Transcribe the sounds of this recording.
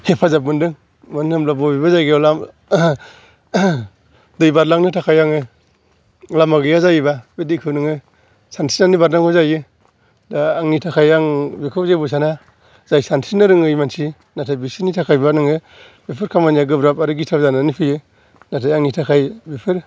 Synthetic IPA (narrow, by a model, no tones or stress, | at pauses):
hepʰazabɯndɯŋ | mɯnɯmlabɔbibazajɡɯjlam | dɯjbaɾlaŋnɯtʰakʰajaŋɯ | lamaɡɯjazajɯbabedikʰɯnɯŋɯ | santʰi̥nanibaɾnaŋɔzajɯ | daaŋnitʰakʰajaŋbikʰɔzebɯs̬ana | z̥ajsantʰinɯɾɯŋɯjmansi | natʰajbisinitʰakʰajbanɯŋɯ | bipʰɯɾkʰamanjaɡɯbɾapaɾɯɡitʰawzanɯnipʰɯjɯ | natʰajaŋnitʰakʰajbipʰɯɾ